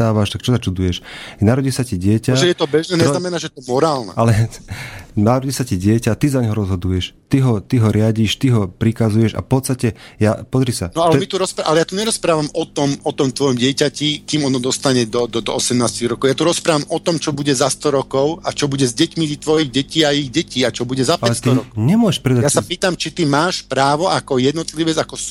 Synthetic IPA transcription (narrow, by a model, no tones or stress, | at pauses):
aːʋaʃt̪akt͡ʃɔt̪at͡ʃud̪ujɛʃnaɾɔɟiːsaciɟɪɛcaɛjɛt̪ɔbɛʒnɛːɲɛznamɛnaːʒɛjɛt̪ɔmɔɾaːlnɛ̰ʔalɛ | naɾɔɟiːsaciɟɪɛcat̪izaɲɦɔɾɔzɦɔd̪ujɛʃt̪iɦɔt̪iɦɔɾɪaɟiʃt̪iɦɔpɾikazujɛʃa̰fpɔt̪st̪acɛjapɔzɾisanɔalɛmit̪uɾɔspaʔalɛjaːt̪uɲɛɾɔspɾaːʋamɔt̪ɔmɔt̪ɔmt̪ʋɔjɔmɟɪɛcacikiːmɔnɔd̪ɔst̪aɲɛd̪ɔd̪ɔd̪ɔɔsɛmnaːsciɣɾɔkɔʊjat̪uɾɔspɾaːʋamʔɔt̪ɔmt͡ʃɔbuɟɛzast̪ɔɾɔkɔʊat͡ʃɔbuɟɛzɟɛcmizit̪ʋɔjiɣɟɛciːaiɣɟɛciːat͡ʃɔbuɟɛzapaɛlɛt̪iɲɛmʊɔɛʃpɾɛd̪ajasapiːt̪amt͡ʃit̪imaːʃpɾaːʋɔʔakɔjɛd̪nɔt̪liʋɛd͡zakɔs